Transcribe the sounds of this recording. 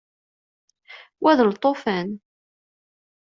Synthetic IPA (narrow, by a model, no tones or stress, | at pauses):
wæðəlt̪ˤːofæn